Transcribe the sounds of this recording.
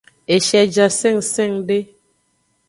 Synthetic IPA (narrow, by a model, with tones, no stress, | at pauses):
e˨ʃɛ˨d͡ʒa˨sɛ˦˨ŋsɛ˦˨ŋɖe˦